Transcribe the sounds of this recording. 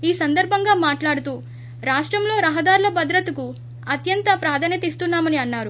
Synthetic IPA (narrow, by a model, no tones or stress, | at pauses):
iːsɐnd̪ɐɾbʱɐŋɡaːmaːʈlaːɽut̪uː | ɾaːʂʈɾɐmlo̞ːɾɐɦɐd̪aːɾulɐbɐd̪ɾɐt̪ɐku | ɐt̪jɐnt̪ɐpɾaːd̪ʰʱɐnɐt̪ist̪unːaːmɐniɐnːaːɾu